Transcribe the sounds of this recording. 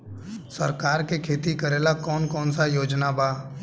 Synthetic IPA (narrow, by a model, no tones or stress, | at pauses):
səɾkaːɾkekʰeːt̪ikəɾeːlakɔːnkɔːnsajoːd͡ʒnabaː